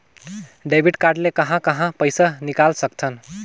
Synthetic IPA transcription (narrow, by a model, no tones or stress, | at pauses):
ɖebʱiʈkaɾɖlekəɦãkəɦãpəɪjsanikalsək̚t͡ʃʰən